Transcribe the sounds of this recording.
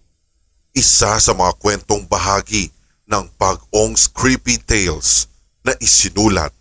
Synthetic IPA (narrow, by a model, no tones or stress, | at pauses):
ʔɪsasɐmɐŋɐkwɛnt̪o̞ŋbɐɦaːɡi | nɐŋpɐɡ̚oŋskɹipit̪ɛjls | nɐʔɪsɪnuːlɐ̰t̪̚